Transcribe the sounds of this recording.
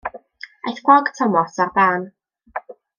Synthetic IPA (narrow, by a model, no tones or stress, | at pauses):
ḛjθɡ̥wɔɡtʰɔmɔsarbaːn